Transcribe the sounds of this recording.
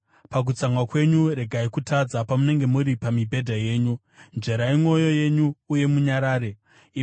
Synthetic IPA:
pak̬ut͡saŋwakwe̞ɲuɾe̞ɡʱaikutʰad͡zapamune̞ŋɡe̞muɾipamibʱe̞dʱaje̞ːɲu | nd͡ʒe̞ɾaimo̞jo̞je̞ɲuːje̞muɲaɾaːɾe̞

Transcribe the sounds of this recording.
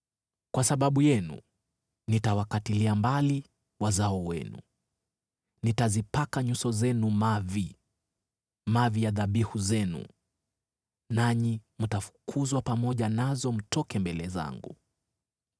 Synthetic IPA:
kwasaɓaɓujɛnṵ | nitawakatiliambali | wazaɔwɛ̰nṵ | nitazipakaɲusɔzɛnumavi | mavijaðaɓihuzɛnṵ | naɲimutafu̥kʰuzwapamɔʄanazɔm̩tɔkɛmbɛlɛza̰ŋɡṵ

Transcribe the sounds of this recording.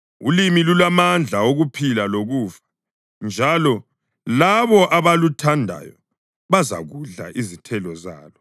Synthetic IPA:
ulimilulamand͡ɮʱaoɣupʰilaloɣuːvḁ | nd͡ʒʱalɔ | laβɔʔaβalutʰandʱa̰jɔ̰ | βaza̰ɣuɮa̰ʔizitʰɛlɔza̰ːlɔ

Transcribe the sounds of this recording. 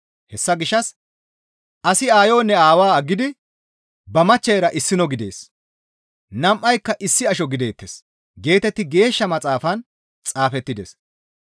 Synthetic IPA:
hɛsːɐɡɪʃːɐs | ʔɐsɪaːjo̞ːnːɛaːwaːɐɡːɪd̪ɪ | bɐmɐt͡ʃːɐjɾɐʔɪsːɪnɔɡɪd̪e̞ːs | nɐmʔːɐjkːɐʔɪsːɪɐʃɔɡɪd̪eːt̪ːeːs | ɡe̞ːt̪ɛt̪ːɪɡe̞ːʃːɐmɐt͡sʼaːfɐn | t͡sʼaːfɛt̪ːɪd̪ḛs

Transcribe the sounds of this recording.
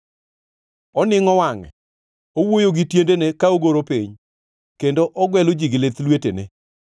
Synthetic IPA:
ɔnɪŋɔwaŋɛ̰ | owojoɡɪtjendenekaoɡoɾopiɲ | kendoʔɔɡwɛlod͡ʒiɡɪlet̪lwetenḛ

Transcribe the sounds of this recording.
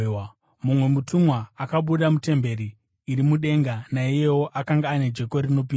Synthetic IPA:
mumwe̞mutumwaakaɓuɗamute̞mbe̞ɾiː | ɾimuɗe̞ŋɡanaije̞woʔakaŋɡaːne̞d͡ʒe̞ko̞rino̞p̬ia

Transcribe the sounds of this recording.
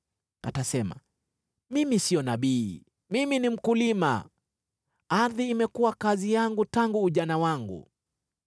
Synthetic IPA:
a̰tasɛma̰ | mimisiɔnaɓiː | miminim̩kulima̰ | aɾðiːmɛkuwakazijaŋɡutaŋɡuːʄanawaŋɡṵ

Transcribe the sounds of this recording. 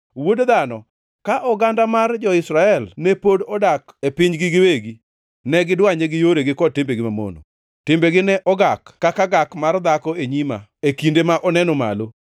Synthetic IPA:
wodd̪anɔ̰ | kaʔɔɡandamard͡ʒɔɪsɾaɛlnepodɔdakepɪɲɡɪɡɪweɡi | nɛɡɪdwaɲeɡɪjoɾeɡɪkɔtɪmbeɡɪmamo̰no̰ | tɪmbeɡɪnɛʔɔɡakkːakaɡakmard̪akɔeɲima̰ekindemaʔɔnɛnɔma̰lo

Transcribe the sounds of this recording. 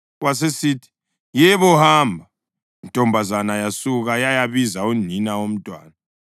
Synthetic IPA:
was̬esiːtʰi̥ | jɛβɔhaːmbʱa | ntʼɔmbʱazanajasuk̬ajajaβizauninawom̩tʼwa̰ːna

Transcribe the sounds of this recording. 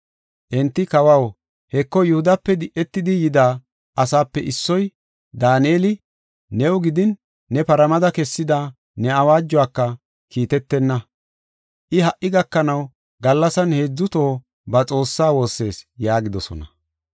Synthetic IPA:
ʔɛnt̪ːɪkɐwɐw | hɛkːɔjʊhʊd̪ɐpːɛd̪ɪʔɛt̪ːɪd̪ɪjɪd̪aː | ʔɐsaːpːɛʔɪsːɔj | d̪aːneːlɪ | nɛwʊɡɪd̪ɪnː | ɛpɐɾɐmɐd̪ɐkɛsːɪd̪a | nɛɐwaːd͡ʒːʊaːkːɐ | kiːt̪ɛt̪ːɛnːɐ | ʔɪɦɐʔʔɪɡɐkːɐnɐw | ɡɐlːɐsɐnhe̞ːd͡zːʊt̪o̞ː | bɐt͡sʼo̞ːsːaːwo̞ːsːe̞ːsjaːɡɪd̪ɔsɔ̰nɐ

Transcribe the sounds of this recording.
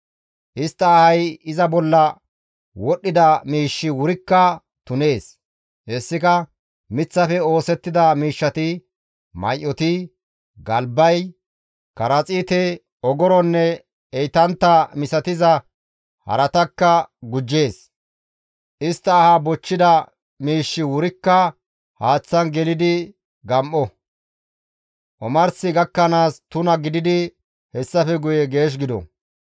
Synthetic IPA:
ʔɪst̪ːɐːhɐjɪzɐbɔlːɐ | wɔɗːɪd̪ɐmiːʃːɪwʊɾɪkːɐ | t̪ʊne̞ːs | ɛsːɪkɐ | mɪt͡sːɐfɛo̞ːsɛt̪ːɪd̪ɐmiːʃːɐt̪ɪ | mɐ̰jʔɔt̪ɪ | ɡɐlbɐj | kɐɾɐt͡sʼiːt̪ɛ | ɔɡɔɾɔnːɛ | ɛjt̪ɐnt̪ːɐmɪsɐt̪ɪzɐ | hɐ̰ɾɐt̪ɐkːɐɡʊd͡ʒːe̞ːs | ʔɪst̪ːɐːhabɔt͡ʃːɪd̪ɐ | miːʃːɪwʊɾɪkːɐ | haːt͡sːɐnɡɛlɪd̪ɪ | ɡɐmʔɔ | ʔɔmɐɾsɪɡɐkːɐnaːst̪ʊnɐɡɪd̪ɪd̪ɪ | hɛsːɐfɛɡʊjɛɡe̞ːʃ̬ɡɪd̪ɔ̰

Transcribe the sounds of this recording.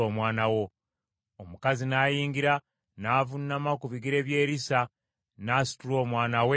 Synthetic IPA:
oːmwaːnawo̞ | omukazinaːjiːŋɡiɾa | naːvunːamakuβiɡiɾe̞ːβje̞ːɾisa | nasi̥tulo̞ːmwaːnawe

